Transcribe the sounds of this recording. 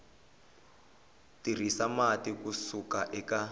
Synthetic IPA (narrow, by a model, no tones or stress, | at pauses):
tir̤isamatikusukaʔɛka